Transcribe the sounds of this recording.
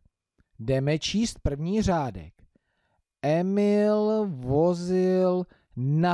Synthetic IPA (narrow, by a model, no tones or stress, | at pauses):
dɛmɛt͡ʃiːst̪̚pr̩vɲiːr̝aːdɛ̰k | ʔɛmɪlvozɪl | na